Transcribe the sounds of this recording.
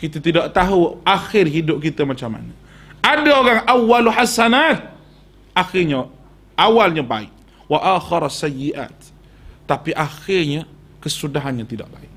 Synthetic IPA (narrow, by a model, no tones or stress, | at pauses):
kit̪at̪idaʔt̪aɦuaxɪrɦidʊp̚kit̪əmat͡ʃamːa̰nə | ʔadaoɾaŋʔawːalħasanat̪̚ | ʔaxɪrɲa | ʔawalɲaba̰ɪ̰ʔ | waʔaxɪɾsajːiʔa̰ːt̪ː | apiʔaxɪrɲa | kəsudaɦanɲat̪ida̰ʔba̰ɪʔ̚